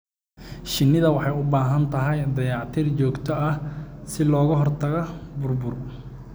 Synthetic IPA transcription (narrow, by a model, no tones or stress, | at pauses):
ʃɪnːɪðɐwɑħɑjʊbaːɦɐnt̪ʰɐɦɛjd̪ɐjɑːʕt̪ʰiːrt͡ʃɔːɡt̪ʰɔʔɐhsɪlɔːɣɐɦɔrt̪ʰɐɣɐbʊrbʊr